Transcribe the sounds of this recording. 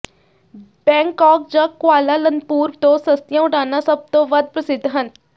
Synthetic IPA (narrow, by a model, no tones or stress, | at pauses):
bɛ̃ːŋkɔːk̚d͡ʒakːʊaːlalənpuːɾt̪õːsəst̪jãʊʈaːnasəb̚t̪õʋəd̪̚pɾəsɪd̪ʱːɦən